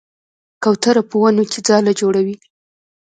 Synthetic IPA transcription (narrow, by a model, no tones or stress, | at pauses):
kawt̪aɾapəwanoked͡zɑlad͡ʒoɽawi